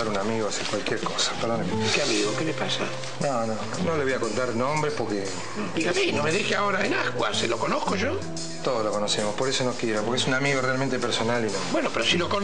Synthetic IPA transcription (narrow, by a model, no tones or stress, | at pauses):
aɾunamiɣosikwalkjeɾkosḁpeɾðonmkeamiɣokelepasa | nonõ | noleβojakont̪aɾnõmbɾehpoɾke | iɣaminomeðixeaoɾaenakwa̰selokonohkoʒo | t̪oðoslokonosemospoɾesonokjeɾopoɾkeesunamiɣorealment̪epeɾso̞nalinõbwenopeɾosiloko